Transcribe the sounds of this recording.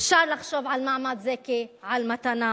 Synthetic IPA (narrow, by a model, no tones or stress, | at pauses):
fʃaɾlaχʃovʕalmaʕmad̪zekiʕalmat̪ana